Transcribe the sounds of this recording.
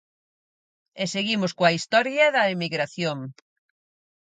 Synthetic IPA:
eseɣimʊskoɐist̪ɔɾjɐðɐemiɣɾaθjoŋ

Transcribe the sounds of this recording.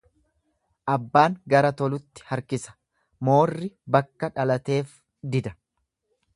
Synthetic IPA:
ʔɐbːaːŋɡɐɾɐt̪ɔlʊt̪ːɪ̥hɐɾkɪsɐ̥ | mo̞ːrːɪbɐkːɐᶑɐlɐt̪e̞ːf | d̪ɪd̪ɐ̥

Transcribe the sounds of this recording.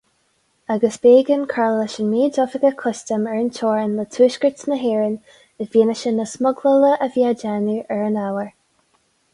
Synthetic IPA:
aɡəsb̥eːɡənkʰaɹləʃənmeːd͡ʒɔvəɡəkʰʊstəmɛɹəntʰɔːɹənlətʰuːʃkəɹtnəɦeːɹən | əviːnəʃənəsmʊɡlələʔəvjad͡ʒaːnəɹɛɹənawəɹ

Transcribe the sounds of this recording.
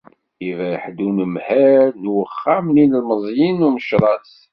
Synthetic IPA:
ivæjħd̪unəmhæɾnwəχːamninəlməzˤjinuməʃɾˤɑs

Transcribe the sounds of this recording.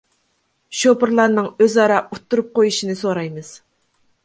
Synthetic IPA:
ʃopɨɾlˠɑɾnɨŋøzɑɾɑʔut̪ʰːuɾup̚qojuʃinɨsoɾɑjmɨz̥

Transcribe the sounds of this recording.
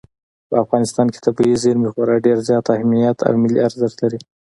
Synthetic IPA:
pəafɣɑnɪst̪ɑnke̥t̪abiizeɾmixwɑɾaɖeɾzjɑt̪ahmijat̪ʰa̰wmɪliaɾzat̪laɾi

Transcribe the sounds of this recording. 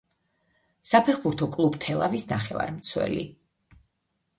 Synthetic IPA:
sapʰɛχbuɾt̪ʰɔkʼlˠubt̪ʰɛlˠavisnaχɛva̰ɾmt̪sʰwɛ̰lḭ

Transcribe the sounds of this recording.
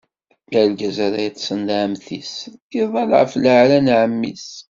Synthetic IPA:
mælɡæzæɾæjt͡sːsənd̪ʕəmθisθiðˤɑlʕə̰flʕlænʕəmːḭs

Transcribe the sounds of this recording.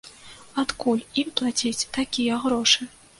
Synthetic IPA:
at̪kulʲimplˠat͡sʲit͡sʲt̪akʲijɐɣɾɔʂɨ

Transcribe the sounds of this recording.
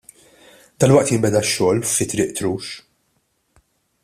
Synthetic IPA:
d̪̥ɐlwɐʔt̪jɪmbɛd̪ɐʃːɔːlfɪt̪ːɾɪːʔt̪ɾuːʃ

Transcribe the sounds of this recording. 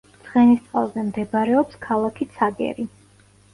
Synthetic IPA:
t̪sʰχɛnist̪sʼalˠzɛmd̪ɛbaɾɛɔpskʰalˠakʰit̪sʰaɡɛ̰ɾi

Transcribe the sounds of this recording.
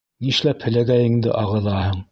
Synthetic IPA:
niʃlæphɘ̆læɡæjɘ̆ŋd̪ɘ̰ʔɑʁɤ̆ðˠɑhɤɴ

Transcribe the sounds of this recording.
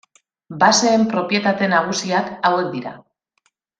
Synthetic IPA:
base̞ːmpɾo̞pje̞t̪at̪e̞naɣ̞usiakawe̞k̚d̪iɾa̰

